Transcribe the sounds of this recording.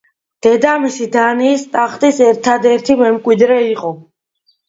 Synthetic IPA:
d̪̥ɛd̪amisid̪aniːst̪ʼaχt̪ʼisɛɾt̪ʰad̪ɛɾt̪ʰimɛmkʼwid̪ɾɛiqʼɔ

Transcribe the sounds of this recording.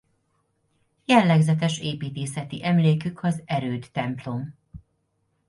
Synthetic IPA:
jɛlːɛɡzɛt̪ɛʃeːpiːt̪eːsɛt̪iʔɛmleːkykʰɒzɛɾøːt̪ːɛmplo̞m

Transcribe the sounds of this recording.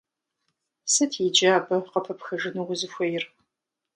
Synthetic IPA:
sɐtʰid͡ʒaːbɐqɐpʰɐpxɐʒɨnuʁʊzɨxʷɔjɪr

